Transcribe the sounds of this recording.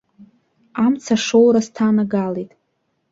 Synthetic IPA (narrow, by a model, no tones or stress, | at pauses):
amt͡sʰaʂowɾastʰanaɡalejtʼ